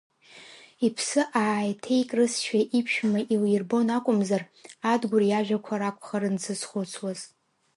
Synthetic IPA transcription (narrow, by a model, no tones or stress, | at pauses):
ipʰsɨʔaːjtʰejkʼrɨsʃᶣaʔipʰʃᶣmaʔilirbo̞nakʷʼʊmzar | adɡʷʊrjaʒᶣakʷʰaɾakʷʼχaɾɨnt͡sʰɨsχʷʊt͡sʰwaz